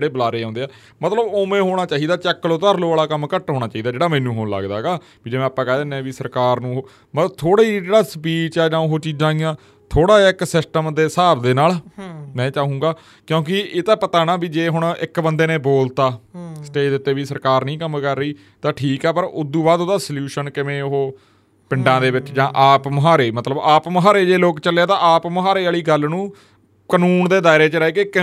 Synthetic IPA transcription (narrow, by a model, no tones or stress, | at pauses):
ɽeːbəlaːɾeːãːnd̪eːaː | mət̪ləboːmẽːɦoːɽ̃aːt͡ʃaːiːd̪aːt͡ʃɛːkːloːt̪əɾloːaːlaːkəmkəʈɦoːɽ̃aːt͡ʃaːiːd̪aːd͡ʒeːɽaːmɛ̃ːnũːɦoːnlə̰ɡd̪a̰ːɡaː | biːd͡ʒeːmɛ̃ːaːpːãːkɛːd̪eːnẽːʋiːsəɾkaːɾnũːɦo | mət̪ləbt̪ʰoːɽaːid͡ʒeːɽaːspiːt͡ʃɛːnãːɦoːt͡ʃiːzãːijãː | t̪ʰoːɽaːɪksɪsʈəmd̪eːsaːbd̪eːnaːlmɛ̃ːt͡ʃaːɦũːɡaː | kjõːk̬ɪeːt̪ãːpət̪aːnãːbiːd͡ʒeːɦʊɳ̃ɪkbənd̪eːneːboːlt̪aːsəʈeːd̪ɪt̪ːeːʋiːsəɾkaːɾnĩːkəmkəɾːəiː | t̪ãːʈʰiːkɛːpəɾʊd̪uːbaːd̪oːd̪aːsəljuːʃənkɪʋẽːoɦoː | pɪɳɖãːd̪eːʋɪt͡ʃd͡ʒãːʔaːpməɦaːɾeːmət̪ləbaːpməɦaːɾeːd͡ʒeːloːkt͡ʃəlaːt̪ãːaːpməɦaːɾeːaːɭiːɡəlnũː | kənuːnd̪eːd̪aːɪɾeːt͡ʃəɾɛeːkekɪ